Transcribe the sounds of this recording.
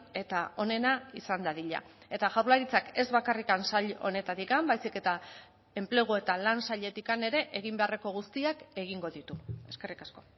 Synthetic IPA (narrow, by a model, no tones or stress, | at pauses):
e̞t̪ao̞ne̞naisand̪aðiʎa̰ | e̞t̪aʝawɾlaɾit͡sake̞zβakarikansaʎo̞̰ne̞t̪at̪ikambajsike̞t̪a | e̞mple̞ɣ̞oe̞t̪alansaʎe̞t̪ikane̞ɾe̞ʔeɣ̞imbe̞are̞ko̞ɣ̞ust̪iake̞ɣ̞iŋɡo̞ðit̪ue̞ske̞rikasko̞